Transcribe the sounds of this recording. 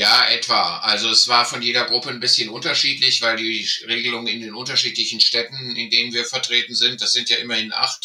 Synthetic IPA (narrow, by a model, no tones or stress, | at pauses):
jaːʔɛtv̥aːʔalzoɛsv̥aːɐfɔnjeːdɐɡʁʊpənbɪsçənʔʊntɐʃiːtlɪçv̥aɪldiːʁeːɡəlʊŋənɪndeːnʔʊntɐʃiːtlɪçn̩ʃtɛtn̩ɪndeːnənviːɐfɛɐtʁ̥eːtn̩zɪnt̚d̥asz̥ɪntjaːʔɪmɐhɪnʔa̰χt